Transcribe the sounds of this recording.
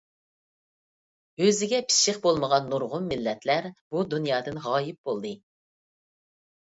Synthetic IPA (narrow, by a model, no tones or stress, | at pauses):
øzɪɡʲɛpʰi̥ʃɪqbolˠməʁɑnːuɾʁʊnmɪlːɛt̪læɾb̥ud̪unjɑːd̪ɨnʁɑːjɪp̚b̥olˠd̪ɨ